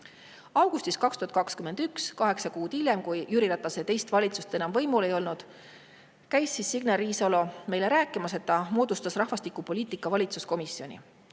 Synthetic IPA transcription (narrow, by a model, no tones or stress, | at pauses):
ɑwɡ̥ust̪iskɑkst̪uhɑt̪kɑkskymend̪ykskɑɦe̞ksɑkuːd̪ilʲjemkujjyɾilɑt̪ˑːɑse̞t̪e̞jst̪vɑlʲit̪sust̪e̞nɑmvɤ̞jmule̞jo̞lnud̪̥ | kæjsːisːiɡ̥neriːsolo̞me̞jle̞ɾæːkːˑimɑset̪ːɑmo̞ːd̪ust̪ɑsrɑhvɑst̪ikːˑupo̞lʲiːt̪ˑikːˑɑvɑlʲit̪susko̞misio̞nʲḭ